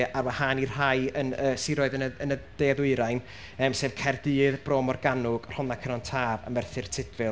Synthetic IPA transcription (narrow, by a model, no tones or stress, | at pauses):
ʔarwahaːnir̥ajənəːsɪɾɔɨðənəənəd̥eːðɪɨɾajn | əːmseːv̥kʰɛrdɨːðbroːmɔrɡanʊɡ̥r̥ɔnakʰənɔntʰaːva̰mɛrθɪrtʰɪdvɨ